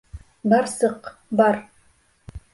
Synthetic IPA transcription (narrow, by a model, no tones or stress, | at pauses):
bɑɾsɤqbɑɾ